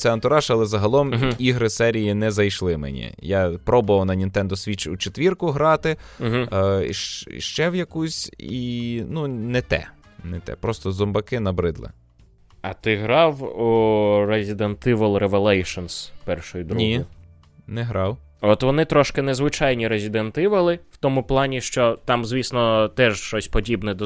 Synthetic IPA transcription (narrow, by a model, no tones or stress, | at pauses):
t̪sɛɐnt̪ʊɾɑʃɐlˠɛzɐɦɐlˠɔmiɦɾɪsɛɾʲijinɛzɐjʃlˠɪmḛnʲḭjɑpɾɔbʊʋɐwnɐnʲint̪ɛnd̪ɔsʲʋʲit͡ʃut͡ʃet̪ʲʋʲirkʊɦɾɑt̪ɪɦʃʃt͡ʃɛwjɐkusʲinunɛt̪ɛ̰ | nɛt̪ɛ̰pɾɔst̪ɔzɔmbɐkɪnɐbɾɪd̪lˠɪ̰ | ɐt̪ɪɦɾɑwuɾezʲid̪ent̪ɪʋɐlˠɾeʋelˠɛjʃɔnspɛrʃɔjʊd̪ɾnuij | nɛɦɾɑw | ɔt̪ʋɔnɪt̪ɾɔʃkɪnɛzʋɪt͡ʃɑjnʲiɾezʲid̪ent̪ɪʋɐlˠɪwt̪ɔmʊplˠɑnʲiʃt͡ʃɔt̪ɑmzʲʋʲisnɔt̪ɛʃʃt͡ʃɔsʲpɔdʲibnɛd̪ɔ